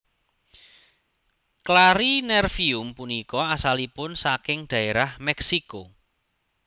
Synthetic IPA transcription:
klaɾinɛrfiʊmpunikɔasalipʊnsakɪŋɖ̪̥ä̤eɾahmɛksiko

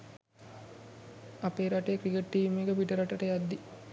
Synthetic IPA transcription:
apeːɾaʈejkɾikeʈːiːmeɡəbiʈəɾaʈəʈəjad̪ːi

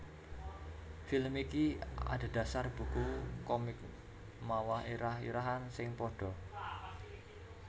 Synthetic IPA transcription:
filmikia̰d̥a̤d̥ä̤sarb̥ṳkukɔmɪk̚ | mawahiɾahḭɾaɦansɪŋpɔɖ̥ɔ̤

